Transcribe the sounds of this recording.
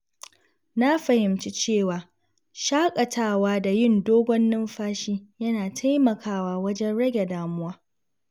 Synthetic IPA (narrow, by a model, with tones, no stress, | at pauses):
na˦ɸɐ˨hɪ˨mt͡ʃi˦t͡ʃeː˦˨waː˨ | ʃaː˦kʼɐ˨tʰaː˦˨waː˦da˨jɪ˦ndoː˦ɡʷɔ˦nːɪ˦mɸaː˦ʃiː˦jɐ˦naː˨tʰa˦jmɐ˨kaː˦waː˨wɐ˦d͡ʒɛ˦nɽɐ˦ɡʲe˨daː˨mʊ˦waː˦